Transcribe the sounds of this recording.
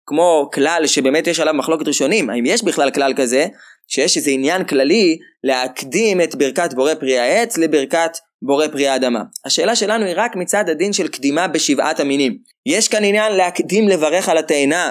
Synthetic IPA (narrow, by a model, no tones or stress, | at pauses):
kmo̞klalʃe̞be̞metjeʃalavmaχloke̞t̪ʁiʃo̞nima̰imjeʃbiχlalklalkaze̞ | ʃejeʃezeinjanklali | le̞akdime̞tbiʁkatbo̞ʁepʁiaet͡sle̞biʁkat | bo̞ʁe̞pʁiaːdama̰haʃe̞ːlaʃe̞lanuiʁakmit͡sad̪adinʃelkdimabe̞ʃivʔa̰taminim | jeʃkaninjanleakdimle̞vaʁe̞χalateːna